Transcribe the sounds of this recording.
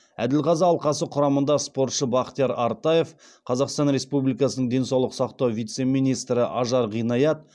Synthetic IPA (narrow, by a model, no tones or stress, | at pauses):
æ̰d̪ɪlqɑzɑːlˠqɑsəqʰʊɾɑmənd̪ɑspo̞ɾt̪ʃəbɑqt̪ijɑɾɑɾt̪ɑje̞f | qʰɑzɑqst̪ɑnɾe̞spublijkɑsənəɴd̪e̞nsɑwlˠəqsɑqt̪ɑwvijt̪se̞mijnijst̪ɾɪʔɑʒɑɾʁijnɑjɑt̪̚